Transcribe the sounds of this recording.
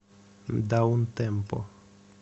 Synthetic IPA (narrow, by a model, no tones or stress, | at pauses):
d̪aunt̪empo̰